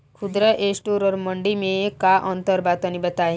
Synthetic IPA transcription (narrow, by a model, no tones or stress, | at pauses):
kʰud̪ɾaʔesʈuɾɔɾmɔɳɖimekaʔɔnt̪ɔɾbat̪ɔnibat̪aɦi